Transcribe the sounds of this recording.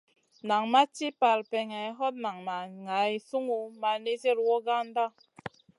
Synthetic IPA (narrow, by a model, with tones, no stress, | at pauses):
na˨ŋma˦ti˦pa˨lpɛ˨ŋɛ˨˦ɦɔ˦t̚na˨ŋma˨ŋa˨˦i˨su˦ŋu˦ma˨ne˦te˦ɾwɔ˦ɡa˦n˦da˦